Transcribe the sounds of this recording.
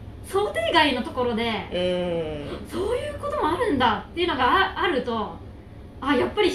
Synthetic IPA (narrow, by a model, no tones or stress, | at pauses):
so̞ːt̪e̞ːɡaino̞t̪o̞ko̞ɾo̞d̪e̞ | so̞ːjɯ̟ːko̞t̪o̞mo̞aɾɯ̟̃nd̪at̪ːe̞jɯ̟no̞ɡaaaɾɯ̟t̪o̞ | ajapːaɾʲi